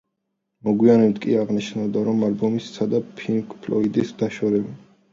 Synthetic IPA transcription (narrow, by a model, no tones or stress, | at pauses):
mɔɡwianɛbt̪ʰkʼiaʁniʃnavd̪aɾɔmalbɔmissad̪apʰilkʼpʰlɔid̪isd̪aʃɔɾɛbi